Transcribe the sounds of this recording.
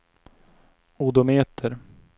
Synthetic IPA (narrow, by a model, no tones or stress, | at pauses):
ud̪omeːt̪ʰəɾ